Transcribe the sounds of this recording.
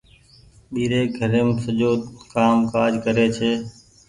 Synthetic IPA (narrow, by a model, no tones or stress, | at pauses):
ɓiːɾeːɡʱəɾẽːmsəʄoːkaːmkaːd͡ʒkəɾeːt͡ʃʰeː